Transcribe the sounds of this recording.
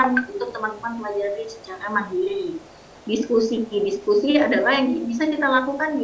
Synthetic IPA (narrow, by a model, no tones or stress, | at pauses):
anunt̪ʊk̚t̪əmant̪əmanməlad͡ʒaɾisə̥t͡ʃaɾamaila | diskusidiskusiadalajaŋd͡ʒabis̬akit̪alakukan